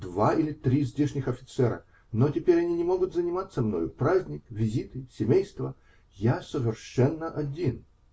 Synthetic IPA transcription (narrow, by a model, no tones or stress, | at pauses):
d̪vailʲɪt̪ɾʲizʲdʲeʂnʲɪxɐfʲɪ̥t̪sɛɾə̰ | notʲɪpʲeɾʲɐnʲinʲɪmo̞ɡʊt̪zənʲɪmat̪sːəmno̞̰jʊpɾazʲnʲɪkvʲɪzʲit̪ɨsʲɪmʲejst̪və | jasəvʲɪrʂɛnːəʔɐdʲin